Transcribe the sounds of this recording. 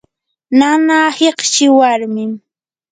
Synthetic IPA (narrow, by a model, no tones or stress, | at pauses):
nanaːheqʃɪwaɾmɪm